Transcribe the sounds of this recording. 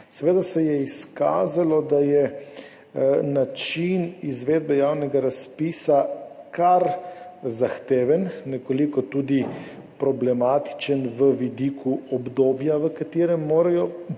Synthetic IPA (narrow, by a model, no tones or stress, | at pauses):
sɛʋeːd̪asɛjɛiska̰ːzalɔd̪ajɛ | nat͡ʃinizʋeːd̪̚bɛjaːwnɛɡaɾaspiːsakaɾzaxt̪eːʋənːɛkɔlikɔt̪uːd̪i | pɾɔblɛmaːt̪i̥t͡ʃənʋəʋid̪ikʰuɔbd̪oːbjaʋəkat̪eːɾɛmːoːɾajɔ